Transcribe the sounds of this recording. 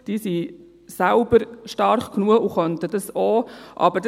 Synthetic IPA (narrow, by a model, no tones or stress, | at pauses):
d̥isi | sæʊbəɾʃtɑɾχknuəuχœntədəsoːʔɑ̰bəd